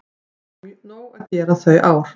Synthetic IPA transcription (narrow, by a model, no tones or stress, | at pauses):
winoːwacɛːɾaθœɥʔaːwɾ̥